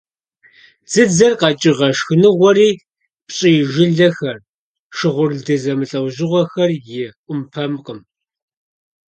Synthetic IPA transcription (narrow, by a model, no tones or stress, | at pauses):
z̥ɨd͡zɐrqɑt͡ʃʼɪʁɐʂxɨnɨʁʷɔriː | pɕʼiʒɪɮɐxɐr | ʂɨʁʷʊrdɨzɐmɨɬʼɐwʑɪʁʷɔxɐrjɪʔʷʊmpʰɐmqʼəm